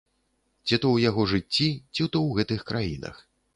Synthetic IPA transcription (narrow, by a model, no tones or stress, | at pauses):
t͡sʲit̪ɔwjaɣɔʐɨt͡sʲːit͡sʲit̪ɔwɣɛt̪ɨxkɾʔajḭnɐ̰x